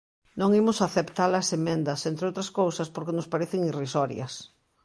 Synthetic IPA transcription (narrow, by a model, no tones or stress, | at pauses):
nõŋimʊsaθept̪alɐsemẽnd̪ɐsẽnt̪ɾeowt̪ɾɐskowsɐspoɾkenʊspaɾeθeŋirisɔɾj̰ɐ̰s